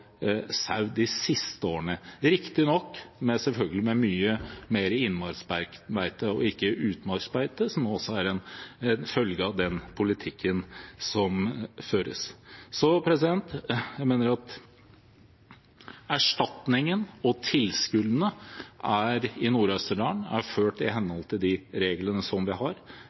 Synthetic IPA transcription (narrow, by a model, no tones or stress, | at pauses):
sɑʉd̪ɪsɪst̪əoːəɳəɾɪkt̪ɪnɔkːmɛsɛlfœlɡəlɪmɛmyːəmeːɾəɪnːmɑɾsbæmæɪt̪əɔ̰ɪkːəʔʉːt̪mɑɾsbæɪt̪əsɔmːɔsːɔæɾɛnɛnfœlɡəɑʋd̪ɛnpʰʊlɪt̪ʰɪkʰːənsɔmføːɾə̰ssɔpʰɾɛsɪd̪ɛnt̪jæɪmeːnəɾɑt̪ | æʂʈɑt̪nɪŋənɔt̪ʰɪlskʉlːənəʔæɾɪnuːɾœst̪əɖɑːɳæ̰ɾføːʈɪɦɛnhɔlt̪ʰɪld̪ɪɾeːɡlənəsɔmʋɪɦɑɾ